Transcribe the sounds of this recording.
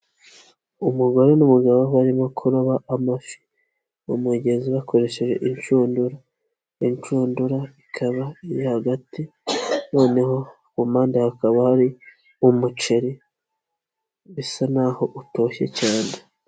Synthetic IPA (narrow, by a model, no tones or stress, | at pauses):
umuɡoɾenumuɡaβoβaɾimokʰuɾoβaʔamafi̥ | umeɟe̞nziβakʰo̞ɾe̞ʃe̞ʒe̞̰ʔiɲt͡ʃuːnduɾa | iɲt͡ʃuːnduɾaikʰaβaijahaɡatino̞ːneho̞ | kumaːndehakaβahaɾi | umut͡ʃe̞ɾi | βisanaho̞ʔuto̞çe̞̰caːne